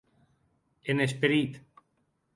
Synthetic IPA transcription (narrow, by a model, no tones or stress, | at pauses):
enespeɾit̪